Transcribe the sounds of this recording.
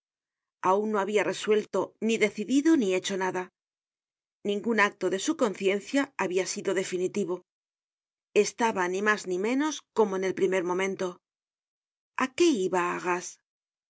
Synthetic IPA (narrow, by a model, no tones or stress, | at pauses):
aunno̞aβiare̞swe̞lt̪o̞niðe̞θiðiðo̞nie̞t͡ʃo̞naða | nĩŋɡunak̚t̪o̞ðe̞suko̞nθje̞nθjaːβiasiðo̞ðe̞finit̪iβ̞o̞ | e̞st̪aβanimaznimẽ̞no̞sko̞mo̞ene̞lpɾime̞ɾmõ̞mẽ̞nt̪o̞ | ake̞iβaːɣas